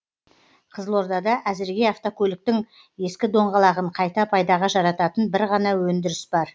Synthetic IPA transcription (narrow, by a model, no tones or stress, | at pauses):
qʰəzəlˠo̞ɾd̪ɑd̪ɑʔæzɪɾɡʲe̞ɑft̪okʲʰɵlɪk̚t̪ɪŋ | je̞skʲɪd̪o̞ɴʁɑlˠɑʁəɴqʰɑjt̪ɑpʰɑjd̪ɑʁɑʒɑɾɑt̪ɑt̪ənbɪɾʁɑnɑwɵnd̪ɪɾɪsbɑɾ